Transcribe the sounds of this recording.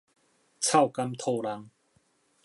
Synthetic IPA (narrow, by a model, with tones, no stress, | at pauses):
t͡sʰa˥˨wka˦˥mt̪ʰo˥˧˩la˧ŋ